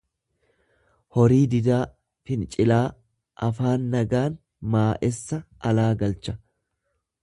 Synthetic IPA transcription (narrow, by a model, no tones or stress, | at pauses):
hɔɾiːd̪ɪd̪aː | fɪnt͡ʃʼɪlaː | ʔɐfaːnːɐɡaːn | maːʔɛsːɐʔɐlaːɡɐlt͡ʃɐ̥